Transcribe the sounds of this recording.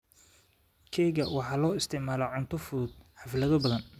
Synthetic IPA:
kʰɛjɣɐwɑħɑːlɔːɪst̪ʰɪʕmaːlɔʕʊnt̪ʰɔfʊðʊd̪̚ħɑfɪlɐðɔbɐðɐn

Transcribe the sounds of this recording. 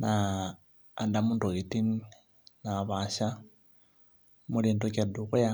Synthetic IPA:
naː | ndamunduɣitini | naβaʃa | muliːndokeduɣuja

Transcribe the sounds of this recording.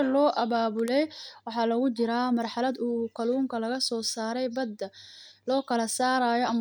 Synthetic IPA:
lɔːʔɐβaːβʊlɛjwɑħɑːlɐɣʊt͡ʃɪɾaːmɐrħɑlɐd̪uːkʰɐluːŋkʰɐlɐɣɐsɔːsaːɾɛjbɐd̪ːɐlɔːkʰɐlɐsaːɾaːjɔɐm

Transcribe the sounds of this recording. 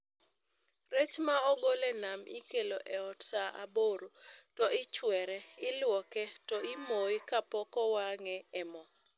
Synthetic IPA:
ret͡ʃmaɔɡolɛnamʔḭkeloʔɛɔtsaʔa̰boɾotɔɪt͡ʃwɛɾɛɪlwɔkɛtɔimoɪkapɔkɔwaŋɛɛmɔ

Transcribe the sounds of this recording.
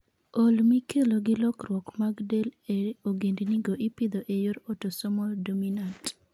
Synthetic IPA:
olmikʰeloɡɪlɔkrwɔkmaɡdeleoɡendiniɡoʔipɪd̪oʔejoɾotosɔmɔldominant

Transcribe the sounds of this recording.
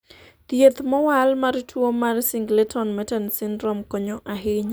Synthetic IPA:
t̪jet̪mɔwalmaɾtʰwomarsɪŋɡletʰɔnmɛtɛnsɪndɾɔmkɔɲɔʔaɦɪɲ

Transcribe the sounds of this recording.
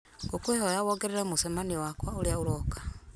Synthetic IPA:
ɡokwehojawɔɡeɾeɾɛmusɛmaniwakwaoljauɾɔkḁ

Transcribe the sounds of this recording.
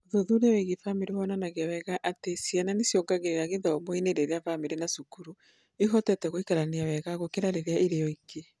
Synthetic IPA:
oðoðuneweɣifamiɾewɔnanaɣeawɛɣaʔatesiananesjɔɡaɣejaɣeðaomɔineɾeɾeafamiɾenasukuɾu | iɦɔtɛtɛɣoikaɾaneawɛɣaɣokeɾaɾeɾeaʔeɾejɔike

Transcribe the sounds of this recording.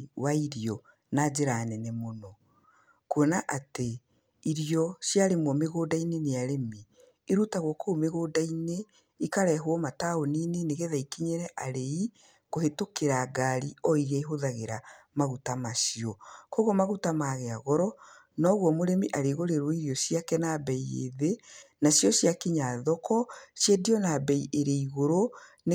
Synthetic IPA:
waiɾiɔ | nad͡ʑeɾanɛnemonɔ | kwɔnaʔate | iɾiɔʃjaɾemwɔmeɣoːdaineneaɾemiː | ɾutaɣwɔkʰoːmeɣoːdaine | ikaɾɛɦwɔmataoniːneneɣɛðaikiɲeɾɛʔaɾei | ɣohetokeɾaɡaɾiɔiɣeiɦoðaɣeɾamaɣutamasiɔkoɣomaɣutamaɣɛaɣɔɾɔ | nɔɣwɔmoɾemiʔaɾeɣoɾeɾwɔiɾiɔsiakɛnabɛiḛðenasjɔɕjakiɲaðɔkɔʃjediɔnabɛiʔeɾeiɣoɾo | n

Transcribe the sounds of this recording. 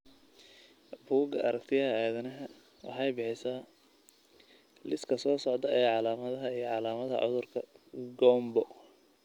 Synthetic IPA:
buːɡɐʔɐɾɐkt̪ʰɪjɐɦɐæːðɐnɐɦɐ | wʔɑ̰ħɑjbɪħɪsaː | lɪskʰɐsɔːsɔʕd̪ɐɐjaːʕɑlaːmɐðɐɦɐijɔʕɑlaːmɐðɐ̰ʕʊ̰ðʊrkʰɐɡɔmbɔ

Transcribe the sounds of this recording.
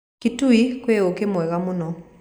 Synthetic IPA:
kituikweokemɛɣamonɔ

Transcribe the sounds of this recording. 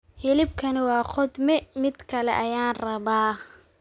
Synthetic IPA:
hɪlɪb̚kʰɐnɪwɑːqʰɔd̪mɛmɪd̪kʰɐlɛ̰ʔɐjaːnrɐβaː

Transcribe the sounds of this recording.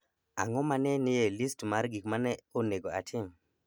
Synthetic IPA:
a̰ŋɔmanɛnɪjelistmaɾɡikmanɛoneɡoa̰tʰɪm

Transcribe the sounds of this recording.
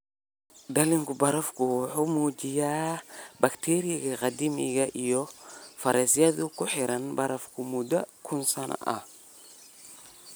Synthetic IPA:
daliŋɡubaɾafkuħumod͡ʒijabaktʰeɾiaɡaɣadimḭɡaʔijofaɾesijadukuħiɾanbaɾafkumudakʰunsana̰ʔa̰

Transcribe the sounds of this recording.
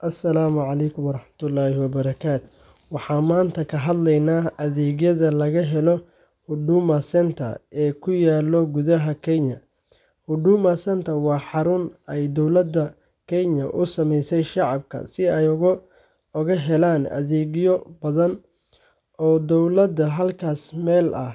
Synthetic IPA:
ʔɐsːɐlaːmʊʕɑlɛjkʰʊmɑɾˤɑħmɐt̪ʰʊlːɑːhɪwɐbɐɾɐkʰaːt̪ʰɔ̥ | wɑħɑːmaːnt̪ʰɐkʰɐɦɐd̪lɛjnaːʔɐðɛːɣjɐðɐlɐɣɐɦɛlɔ | hʊɖuːmɐsɛnt̪ʰɐ̰ɛːkʰʊjaːlːɔɡʊðɐɦɐkʰɛɲɐ | hʊɖuːmɐsɐnt̪ʰɐwɑːħɑɾʊnɛjd̪ɔwlɐd̪ɐ | kʰɛɲɐʔʊsɐmɛjsɛjʃɑʕɑbkʰɐ̰sɪɛjɣ | ʊɣɐɦɛlaːnɐ̰ðɛːɣjɔbɐðɐn | ɔːd̪ɔwlɐd̪ɐɦɐlkʰaːsmɛːlʔɐh

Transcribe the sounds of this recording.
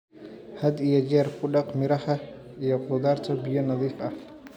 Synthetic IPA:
hɐd̪ijɔd͡ʒɛːrkʰʊɖɑqmɪɾɐhɐijɔqʊðaːrt̪ʰɐbɪjɔnɑðiːfɐh

